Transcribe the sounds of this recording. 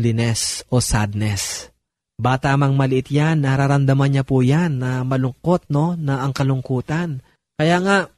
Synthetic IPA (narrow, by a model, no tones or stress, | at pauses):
lɪnɛsʔo̞sad̪̚nɛs | baːt̪amɐŋmɐlɪʔɪt̪janːɐɾaɾɐnd̪ɐmɐnɲapujanːɐmɐlʊŋko̞t̪̚no̞nɐʔɐŋkɐlʊŋkuːt̪an | kɐjaːŋaʔ